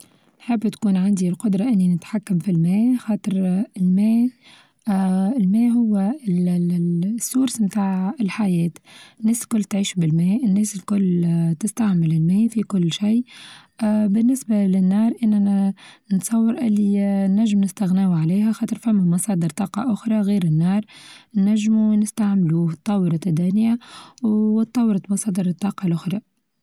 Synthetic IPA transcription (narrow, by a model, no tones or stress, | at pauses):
nħɪbːt̪kuːnʕand̪ilqʊd̪ɾˤɑʔɪnːinɪt̪ħakːamfilmɛːxɑːt̪ˤəɾɪlmɛː | ɪlmɛːɦʊwːl | sːuːɾsmt̪aːʕɪlħajɛːt̪ɪnːɛːslkʊlːt̪ʕiːʃbɪlmɛːʔɪnːɛːsɪlkʊlːt̪ɪst̪aʕmɪlɪlmɛːfikʊlːʃij | bɪnːɪsbalɪnːɑːɾˤʔɪnːænt̪sˤɑwːɑɾˤʔɪlːinːæʒːɪmnɪst̪ɪɣnæːwʕaliːɦæxɑːt̪ˤəɾˤfæmːæmɑsˤɑːd̪əɾt̪ˤɑːqɑ̰ʔʊxɾˤɑɣiːɾɪnːɑːɾˤnæʒːmunɪst̪aʕmluːht̪ˤːɑwːɾˤɑt̪æd̪æːnɪjawt̪ˤːɑwːɾˤɑt̪mɑsˤɑːd̪əɾt̪ˤːɑːqɑlʔʊxɾˤɑ